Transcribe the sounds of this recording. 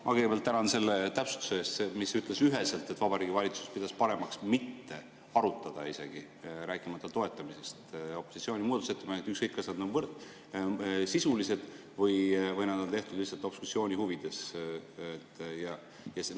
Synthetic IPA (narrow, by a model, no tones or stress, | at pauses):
mʔɑ̰keɡebelt̪ːænɑnse̞lːet̪æpsu̥t̪u̥seeːst̪semisyt̪ˑle̞syɦe̞selt̪ːˑet̪ːvɑbɑɾiːɡivɑlʲit̪su̥spid̪ɑspɑɾe̞mɑksmit̪ːe̞ | ɑɾut̪ːˑɑd̪̥ɑise̞̰ɡ̥i | ɾæːkˑimɑt̪ːˑɑt̪o̞e̞t̪ːˑɑmise̞st̪o̞pːˑosit̪sio̞ːnʲimuːd̪̥uset̪ːˑemɑnet̪ːykskɤjkːɑsɑd̪novɤ | sisulise̞d̪̥ | vɤjvɤjnɑd̪o̞nt̪e̞ht̪ud̪lihsɑt̪ːo̞psusio̞ːnʲihuvid̪̥e̞s | t̪ːjɑ | jɑs